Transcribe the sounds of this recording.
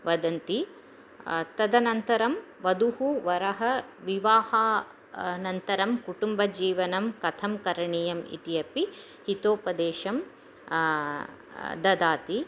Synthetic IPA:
ʋɐd̪ɐnt̪i | t̪ɐd̪ɐnɐnt̪ɐɾɐmʋɐd̪uhuʋɐɾɐɦɐʋiʋaːhɐ | nɐnt̪ɐɾɐmkuʈumbɐd͡ʒiːʋɐnɐmkɐt̪ʰɐmkɐɾɐɳijɐmḭt̪ijɐpi | hit̪oːpɐd̪eːʃɐm | d̪ɐd̪aːt̪i

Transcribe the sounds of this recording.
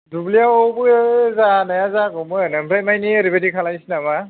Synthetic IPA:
dublijaɔbɯzanajazakɔmɯnampʰajmajniaɾibadikʰalajsinama

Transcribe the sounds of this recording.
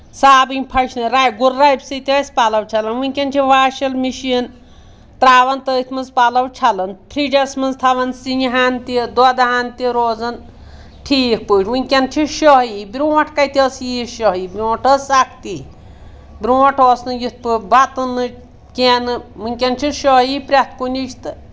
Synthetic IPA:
saːbɨnʲpʰɐt͡ʃʰnɨɾaːjɡuɾːajbsit̪iɐsʲpalɐwt͡ʃʰɐlɐnʋɨnʲkʲɐnt͡ʃʰiʋaːʃɐlmiʃijɐn | t̪ɾaːʋɐnt̪əit̪ʰmɨnzpalɐwt͡ʃʰalɐnpʰɾid͡ʒɐsmɨnzt̪ʰɐʋɐnsiniɦaːnt̪id̪ɐd̪aɦaːnt̪iɾoːzɐn | ʈʰiːk̚puʈʰʲʋunʲkʲɐnt͡ʃʰiʃɔɦibɾʲuɐʈʰkɐjt̪ʰiɐsjiːʃɔɦibʲɾuːʈʰɐsak̚ʰt̪i | bʲɾuːɔʈʰoːsnɨjit̪̚pɨbat̪ɨnɨ | kʲenɨmunʲkʲent͡ʃʰiʃɔɦipɾʲɐt̪kunʲiʃʰt̪ɨ

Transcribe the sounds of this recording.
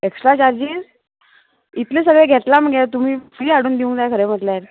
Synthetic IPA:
eksʈɾat͡ɕaɾd͡ʑiːz | it̪les̬əɡɭeɡʱet̪lam̤əɡet̪um̤iːfiːaɽuːnd̪iũŋkt̪ajkʰəɾem̤əʈ̪ljaɾ

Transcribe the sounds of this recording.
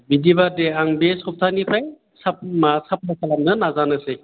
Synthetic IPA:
bidibadeaŋbesɔp̚tʰanipʰaj | sap̚masap̚nasʰalamnɐnazanɐse

